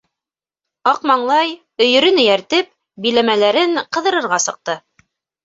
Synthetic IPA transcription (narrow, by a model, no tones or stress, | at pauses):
ɑqmɑɴlˠɑj | ɵ̆jɵ̆ɾɵnɵ̆jæɾt̪ɘp̚ | bilæmælæɾɘɴqɤ̆ðɤ̆ɾɤ̆ɾʁɑsɤ̆q̚t̪ɤ